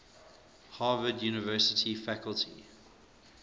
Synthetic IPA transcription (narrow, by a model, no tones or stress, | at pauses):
hɑːvədjuːnɪvɜːˑsətʰifækəlˠtʰḭ